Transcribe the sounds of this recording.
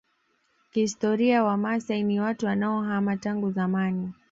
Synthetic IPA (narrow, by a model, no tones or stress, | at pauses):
kiistɔɾiawamasainiwatuwanaɔɦamataŋɡuzamani